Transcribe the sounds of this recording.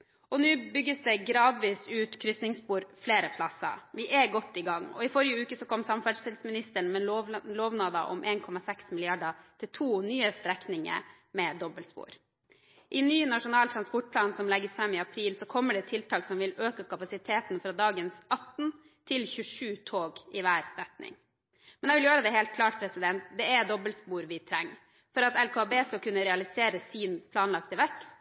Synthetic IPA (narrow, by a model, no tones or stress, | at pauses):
ɔnʉːbʏɡːəsd̪ɛɡɾɑːd̪ʋiːsʉːt̪kʰɾʏsnɪŋspuːɾfleːɾəpʰlɑsə̰ʋɪʔæɡɔt̪ːɪɡɑŋːɔ̰ɪfɔɾɪjəʉːkəsɔkʰɔmsɑmfæɖʂɛlsmɪnɪst̪əɳ̩mɛoʋloːʋnɑːd̪ɑʔɔ̰mʔeːnkʰɔmɑsɛksmɪlɪɑɖɑt̪ʰɪlt̪ʰuːnyːəst̪ɾɛknɪŋə̰ | mɛd̪ɔbəlspṵːɾ | ʔɪnyːnɑʂʊnɑːlt̪ʰɾɑnspɔʈ̚pʰlɑːnsɔmlɛɡːəsfɾɛmːɪɑpʰɾiːlsɔkʰɔmːəɖɛt̪ʰɪlt̪ʰɑːksɔmʋɪløːkəkʰɑpɑsɪt̪ʰeːt̪n̩fɾɑːd̪ɑːɡənsɑt̪ːn | t̪ʰɪlçʉʂʉːt̪ʰoːɡɪʋæːɾɾɛt̪nɪ̰ŋ | mɛnɛɪʋɪljøːɾəd̪ɛɦeːlt̪̚kʰlɑːʈ̚pʰɾɛsɪd̪ɛnt̪̚d̪ɛɛd̪ɔbəlspuːɾʋɪt̪ʰɾɛŋː | fɔɾɑt̪ɛlkobeːskɑlkʉnːəɾɛɑlɪseːɾəsiːnpʰlɑːnlɑkt̪əʋɛkst̪